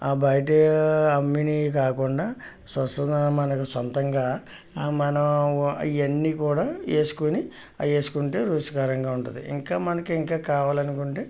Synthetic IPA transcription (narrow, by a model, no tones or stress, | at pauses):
aːbɐjɐʈ̬iɐmːinik̬aːkuɳɖaː | sɐsmɐnɐkusɐnt̪ɐŋɡaː | mɐnɐmiɐnːiːkuːɽaːe̞ːsu̥koni | e̞ːsu̥kuɳʈe̞ːɾuːʂɐ̥kaːɾɐŋɡaːuɳʈund̪ḭḭŋkaːmɐnɐkuiŋkaːkaːʋaːlɐnukuɳʈeː